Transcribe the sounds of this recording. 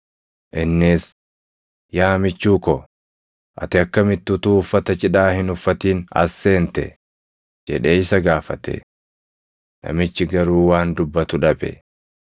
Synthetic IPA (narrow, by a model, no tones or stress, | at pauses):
ʔɪnːɪs | jaːmɪt͡ʃːuːkɔ | ʔɐ̰t̪ɪɐkːɐmɪt̪ːʊt̪uːfːɐt̪ɐt͡ʃɪᶑaːhɪnʊfːɐt̪iːnɐ̰sːe̞ːnt̪ɛ̰ | d͡ʒɛᶑe̞ːɪsɐɡaːfɐt̪ɛ̰ | nɐ̰mɪt͡ʃːɪɡɐɾuːwaːnd̪ʊbːɐt̪ʊᶑɐbɛ̰